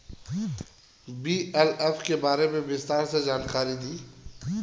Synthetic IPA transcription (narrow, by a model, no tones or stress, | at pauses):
biːɛlɛfkebaːɾemẽbɪst̪aːɾsed͡ʒaːnkaːɾid̪iː